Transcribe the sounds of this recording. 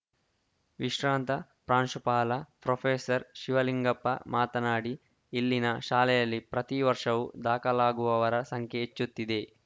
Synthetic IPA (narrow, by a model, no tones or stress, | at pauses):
ʋiʂɾaːnt̪ɐ | pɾaːnʂupaːlɐpɾopʰeːsɐɾʃiʋɐliŋɡɐpːɐ̰maːt̪ɐnaːɽi | ilːinɐʃaːlɛjɐlːipɾɐt̪iʋɐɾʂɐʋud̪aːkɐlaːɡuʋɐʋɐɾɐsɐŋkʰjeet͡ʃːut̪ːid̪e̞